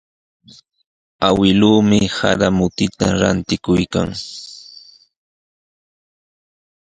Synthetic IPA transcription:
awɪluːmɪha̰ɾamʊt̪ɪt̪aɾa̰nt̪ɪkʊjkaŋ

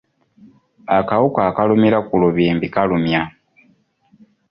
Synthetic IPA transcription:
akaukaːkalumilakuluβiːmbikalumja

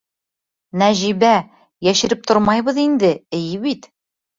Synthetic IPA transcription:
næʑiβæ | jæʃɘ̆ɾɘp̚t̪ʰoɾmɑjβɤ̆ðind̪ɘɘ̆jɘβit̪

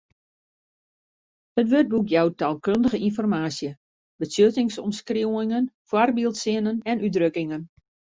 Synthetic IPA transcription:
ətʋøt̚bukjawtalˠkøndəɣəinfɔrmaːsjə | bəsjøtɪŋsɔmskriwɪŋənfwɔrbilˠtsɪnənɛnydrøkɪŋən

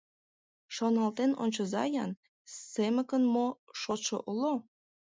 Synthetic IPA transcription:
ʃonɑlt̪eno̰nʲt͡ɕəzɑjɑn | semə̆kənmoʃot̪ʃoʔolo

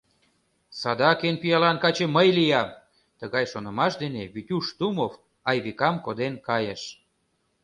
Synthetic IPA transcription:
sɑd̪ɑkenpyjɑlɑnkɑt͡ɕeməjlijɑm | t̪əɣɑjʃonə̆mɑʃd̪eneβyt̪ʲuʃt̪umof | ɑjβikɑmkod̪enkɑjeʃ

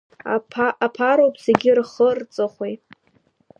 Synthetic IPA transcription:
apʰaɾowpʰseɡʲɪrχərt͡sʼɨχʷejtʼ

